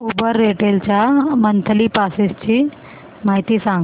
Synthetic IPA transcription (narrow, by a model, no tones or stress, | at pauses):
ubəɾːeʈelt͡ɕamənt̪ʰəlipasest͡ɕi | maɦit̪isãŋɡ